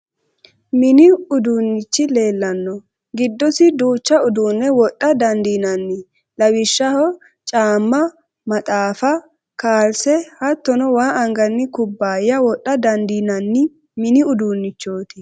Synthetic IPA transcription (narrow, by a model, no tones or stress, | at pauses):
mɪnɪʊd̪uːnːɪt͡ʃːɪle̞ːlːɐnːɔ | ɡɪd̪ːɔsɪd̪uːt͡ʃːɐʊd̪uːnːɛwɔɗʼːɐd̪ɐnd̪iːnɐnːɪ | lɐwɪʃːɐhɔ | t͡ʃʼaːmːɐ | mɐt̪ʼaːfɐ | kaːlsɛhɐt̪ːɔnɔwaːʔɐŋɡɐnːɪkʊbːaːjɐwɔɗːɐd̪ɐnd̪iːnɐnːɪ | mɪnɪʊd̪uːnːɪt͡ʃːo̞ːt̪ɪ